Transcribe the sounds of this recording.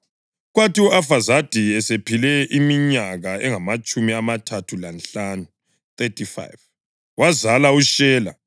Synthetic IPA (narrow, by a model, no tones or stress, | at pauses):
ɣwatiɔafazad̥ʱiɛsepʰilɛʔimiɲaɣaɛŋamat͡ʃʼumiamatʰatʰulanɬanu | t̪etʰifa̰jv | wʔazalauʃɛːla̰